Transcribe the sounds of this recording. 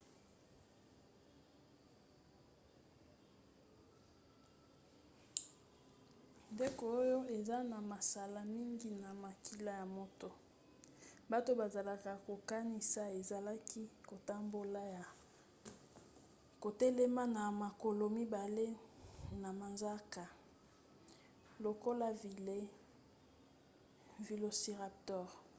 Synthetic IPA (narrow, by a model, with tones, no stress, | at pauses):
nde˦ko˨o˦jo˦e˨za˦na˨ma˨sa˨la˦mi˦ŋɡi˦na˨ma˨ki˦la˦ja˨mo˦to˦ | ba˦to˦ba˨za˨la˨ka˨ko˨ka˦ni˨sa˦e˨za˨la˦ki˦ko˨ta˦mbo˦la˦ja˨ | ko˨tɛ˦le˦ma˦na˨ma˨ko˨lo˨mi˦ba˨le˦na˨ma˨nza˦ka˨ | lo˨ko˦la˦vi˨le˦ | vi˨lo˨si˨ʁa˨p̚tɔ˦˨ʁ